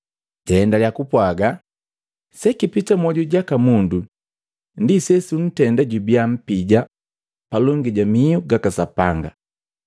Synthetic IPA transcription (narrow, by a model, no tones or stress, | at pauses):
ɟɛːndaljakupwaɡa | sɛkipitamɔɟuɟakamundu | ndisɛsun̩tɛndaɟubiam̩piɟa | palɔŋɡiɟamiuɡakasapaŋɡa̰